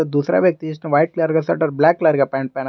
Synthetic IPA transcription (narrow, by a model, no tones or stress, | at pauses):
ɐd̪uːsɾa̰ʋjɐk̚t̪isnɐʋɐjʈ̚klaɾɡasɐʈɐɾblaːkːlaɾɡɐpaːɳɖpɛn